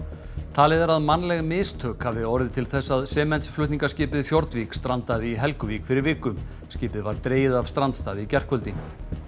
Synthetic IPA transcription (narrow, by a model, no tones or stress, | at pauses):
t̪ʰaːlɪðaɾaðmanːlɛɣmɪːst̪ʰœːkhavɪɔɾðɪt̪ʰɪlθɛsːaðsɛːmɛnt̪sflʏht̪niŋkascɪːpɪðfjɔɾt̪vikst̪ɾant̪aðɪiɦɛlkʏvikfɪɾɪɾvɪːkʏm | sciːpɪðvaɾt̪ɾeːjɪðavst̪ɾant̪st̪aːðɪicɛr̥kʰvœlt̪i